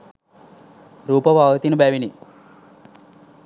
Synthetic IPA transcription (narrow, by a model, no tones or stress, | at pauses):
ɾuːpɐbʱaːʋɐt̪inubɛːʋini